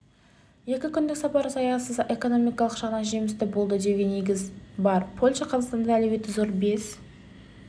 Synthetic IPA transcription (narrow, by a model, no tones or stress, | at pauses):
je̞kʲɪkʲʰʏnd̪ɪksɑpɑɾsɑjɑsəze̞ko̞no̞mijkɑlˠəqʒ̥ɑʁnɑnʒe̞mɪst̪ɪbo̞lˠd̪əd̪e̞ɡʲene̞ɡʲɪzbɑɾpʰo̞lʲʃɑqʰɑzɑqst̪ɑnd̪ɑælebe̞t̪ːɪzo̞ɾbe̞s